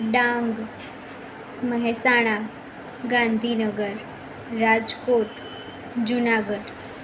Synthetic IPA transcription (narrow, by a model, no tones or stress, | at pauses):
ɖaŋɡ | məɦesaɽ̃a | ɡãnd̪ʱinəɡəɾː | ad͡zkoʈ | d͡ʑunaɡəʈ